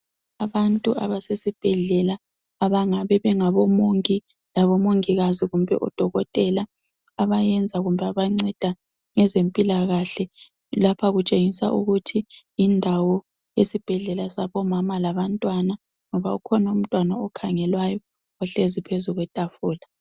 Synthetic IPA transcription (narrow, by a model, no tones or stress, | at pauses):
aβantʼua̰βasesib̥ʱɛɮɛlaː | βaŋaβɛβɛŋaβɔmoŋkʼi | laβɔmoŋiɣaziɣumbʱɛ̰ʔɔ̰d̥ʱɔɣɔtʼɛla | aβajɛnd͡zʱaɣumbʱɛaβaŋ͡ǀɛd̥ʱa | ŋɛzempʼilaɣaɬɛ | lapʰaɣut͡ʃʼeŋisa̰ʔuɣutʰiː | ndʱawɔ | jesib̥ʱɛɮɛlasaβɔmamalaβantʼwana | ŋɔβaukʰɔnaum̩tʼwanaɔkʰaŋɛlwajɔ | ɔɬezipʰezuɣwɛtʼafuːla